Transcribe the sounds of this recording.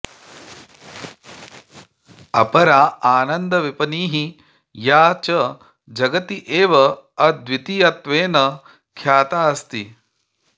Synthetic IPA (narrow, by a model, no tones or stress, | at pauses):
ɐ̰pɐɾaːaːnɐnd̪ɐʋipɐniːɦi | jaːt͡ʃɐ | d͡ʒɐɡɐt̪iʔeːʋɐɐd̪ʋit̪ijɐt̪ʋeːnɐ | kʰjaːt̪aːɐst̪i